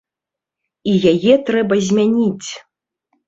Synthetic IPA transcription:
ijajɛt̪ɾɛbɐzʲmʲanʲit͡sʲ

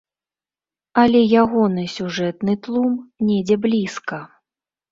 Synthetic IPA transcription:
ɐlʲɛjaɣɔnɨsʲuʐɛt̪nɨt̪lˠumnʲɛd͡zʲɛblʲiskɐ

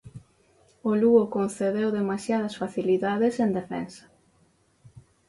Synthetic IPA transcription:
oluokonθeðewðemasjað̞ɐsfaθiliðaðesend̪efɛ̰nsɐ̥

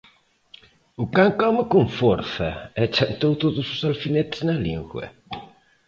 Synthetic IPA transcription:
ʊkaŋkɔmɪkuŋfoɾθɐɛt͡ʃant̪owt̪oðʊsʊsalfinet̪ɪ̥znɐliŋɡwɐ̰

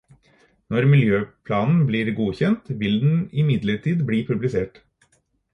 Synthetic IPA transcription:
nɔɾmɪljøːpʰlɑːnn̩bliːɾɡuːçɛnt̪ʋɪld̪n̩ɪmɪd̪ləʈiːd̪bliːpʰʉblɪseːʈ

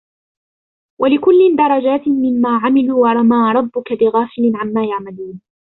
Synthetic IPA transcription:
wʔalɪkʊlːɪnd̪ɑɾˤɑd͡ʒaːt̪ɪnmɪnmaːʕamɪluwɑɾˤɑmaːɾˤɑbːʊkabɪɣaːfɪlɪnʕanmaːjaʕmaluːn

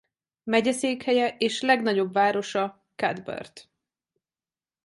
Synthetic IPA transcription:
mɛɟɛseːkhɛjɛʔeːʃlɛɡnɒɟo̞bvaːɾo̞ʃɒ | kad̪bɛ̰rt̪

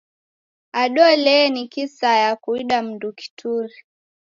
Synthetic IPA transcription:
aɗɔlɛnikisajakuiɗam̩nduki̥tʰuɾi

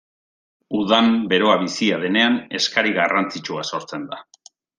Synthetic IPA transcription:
uðambe̞ɾo̞aβisiað̞e̞ne̞ane̞skaɾiɣarant͡sit͡ʃuaso̞ɾt͡se̞nd̪a

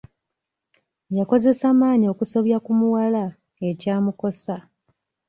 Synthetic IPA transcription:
jako̞ze̞saːmaːɲio̞kuso̞βjakumuwala | e̞caːmuko̞sa

